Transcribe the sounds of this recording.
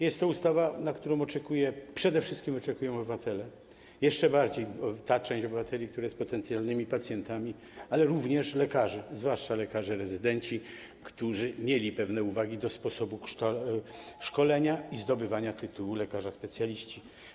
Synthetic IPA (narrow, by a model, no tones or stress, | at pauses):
jɛst̪ːɔust̪avanakt̪uɾɔ̃w̃ɔt͡ʂɛkujɛpʂɛd̪ɛfʂɘst̪kʲimɔt͡ʂɛkujɔ̃w̃ɔbɘvat̪ʰɛlɛ | jɛʂt͡ʂɛbaɾd͡ʑejt̪at͡ʂɛ̃w̃ɕt͡ɕɔbɘvat̪ʰɛlʲik̚t̪uɾajɛspɔt̪ɛnt̪sʲjalnɘmʲipat̪sʲjɛnt̪amʲi | alɛɾuvɲɛʂlɛkaʐɛzvwaʂt͡ʂalɛkaʐɛɾɛzɘd̪ɛɲt͡ɕi | kt̪uʐɘmʲjelʲipɛvnɛuvaɡʲid̪ɔspɔsɔbuʂɔ | ʂkɔlɛɲaizd̪ɔbɘvaɲat̪ɘt̪uwulɛkaʐaspɛt̪sʲjalʲiɕt͡ɕi